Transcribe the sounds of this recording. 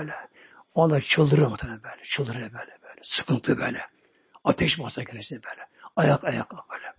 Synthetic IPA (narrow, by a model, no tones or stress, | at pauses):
lɛ | ond̪ɑt͡ʃʰɯlˠd̪ɯɾmɑt̪ʰanɛbɛːlɛ̥t͡ʃʰɯlˠd̪ɯɾɛbæːlɛbæːlɛsɨ̥kʰɯnt̪ʰɯbæːlɛ | ɑt̪ʰɛʃmɑsɑɡʲeɾɛsinɛbɛːlɛɑjɑkɑjɑkɑbɛlɛ